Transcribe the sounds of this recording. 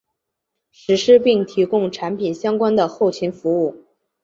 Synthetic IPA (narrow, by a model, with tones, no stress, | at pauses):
ʂɻ̩˧˥ʂɻ̩˥pi˥˩ŋt̪ʰi˧˥kʊ˥ŋʈ͡ʂʰa˧˥npʰi˨˩nɕjɑ˥ŋkwa˥nd̪ə˨xo˥˩ʊt͡ɕʰi˧˥nfu˧˥u˥˩